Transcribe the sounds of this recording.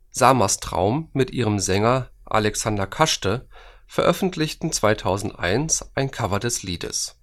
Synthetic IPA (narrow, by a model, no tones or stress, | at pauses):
z̥amastʁ̥a̰ʊmːɪtʔiːʁəmzɛŋɐ | ʔa̰lɛksandɐkʰaʃtə | fɛɐʔœfn̩tʰlɪçtn̩t͡sv̥aɪtʰaʊzn̩tʔa̰ɪnsʔaɪnkʰavɐdɛsliːdə̰s